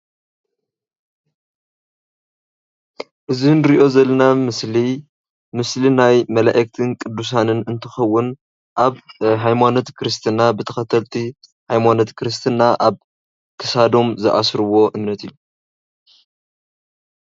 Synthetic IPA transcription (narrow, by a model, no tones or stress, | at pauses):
ʔɨzinɨɾiʔo̞zɐlːɐnamɨsli | mɨslinajmɐlaʔɐk̚t̪ʰɨnkʼɨd̪ːus̬anɨnɨnt̪ʰɨxɐwːʊn | ʔaβɦajmano̞t̪kʰɾɨst̪ʰɨnabɨt̪ʰɐxɐt̪ʰɐlt̪ʰi | hajmano̞t̪kʰɾɨs̬t̪ʰɨnːaʔaβ | kʰɨsad̪o̞mzɨʔa̰sɾɨwo̞ʔɨmnɐt̪ijːu